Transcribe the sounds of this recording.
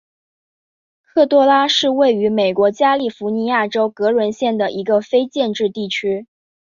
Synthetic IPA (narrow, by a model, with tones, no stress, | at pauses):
kʰɤ˥˩t̪wɔ˥la˥ʂɻ̩˥˧we˥˩ɪy˧˥me˨˩ɪkwɔ˧˥t͡ɕja˥li˥˩fu˧˥ni˧˥ja˥˩ʈ͡ʂo˥ʊkɤ˧˥lwə˧˥nɕjɛ˥˩nd̪ə˩ʔi˧˥ɡə˧fe˥ɪt͡ɕjɛ˥˧nʈ͡ʂɻ̩˥˧t̪i˥˩t͡ɕʰy˥